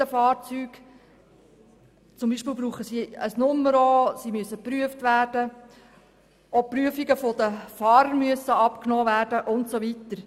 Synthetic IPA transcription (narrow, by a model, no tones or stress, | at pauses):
əfɑːɾt͡syːɡ̥ | t͡sʊmbiːʃpiːlbɾuːχəsiəsnʊmːəɾosimyəsːəpɾyəftʋæːɾd̥ə | ɔpːɾyəfiɡəfod̪əfɑːɾəɾmyəsəɑpknɔːʋæːɾd̥əʔʊntsoʋitəɾ